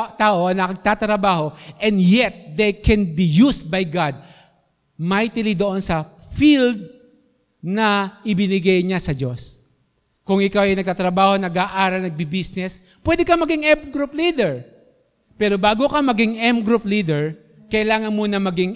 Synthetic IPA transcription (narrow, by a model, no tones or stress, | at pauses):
t̪aːʔoɐnɐkɐɡ̚t̪at̪ɾɐbaːho̞ʔɛ̃nd̪jɛt̪̚d̪ɛjkʰɛnbijus̚bɐjɡad̪̚ | majt̪ɪlid̪oʔo̞nsɐfild̪̚ | nɐʔɪbɪnɪɡɐjɲasɐd͡ʒos | kʊŋɪkawɐjnɐɡ̚t̪at̪ɾɐbaːhonɐɡaːʔaːɾɐlnɐɡ̚bibisnɛs | pwɛd̪ɛkɐmɐɡiŋɛmɡɾuplid̪ɛɹ | pɛːɾobaːɡokɐmɐɡɪŋʔɛmɡɾuplid̪ɛɹ | kɐʔɪlaːŋɐnmuːnɐmɐɡɪŋ